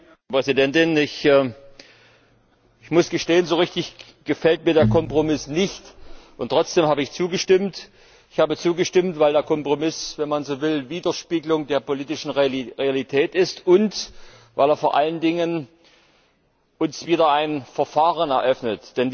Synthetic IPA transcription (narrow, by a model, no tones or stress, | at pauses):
pʁ̥ɛzidɛntɪnɪçː | ɪçmʊsɡ̥əʃteːənzoːʁɪçtɪç | ɡ̥əfɛlt̚miːɐdeːɐkʰɔmpʁ̥omɪsnɪçtʔʊntʁ̥ɔt͡sd̥eːmhaːbəɪçt͡suːɡəʃtɪmt | ɪçhaːbət͡suːɡəʃtɪmtv̥aɪldeːɐkʰɔmpʁ̥omɪsvɛnmanzoːvɪlviːdɐʃpiːɡəlʊŋdeːɐpoliːtɪʃn̩ʁealitʰɛːtɪstʊnt | va̰ɪleːɐfoːɐʔaləndɪŋən | ʔʊnsv̥iːdɐaɪnfɛɐfaːʁənɛɐʔœfnətd̥ɛnv